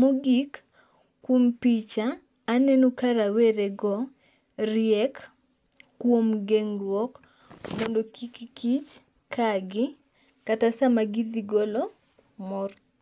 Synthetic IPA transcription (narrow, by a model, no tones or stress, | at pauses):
moɡikː | wompit͡ʃaː | nenokaɾaweɾeɡɔ | ɾjɛkː | womɡeŋrwɔk | mondokikikit͡ʃ | kʰaɡɪ | katasamaɡid̪iɡolɔ | mɔr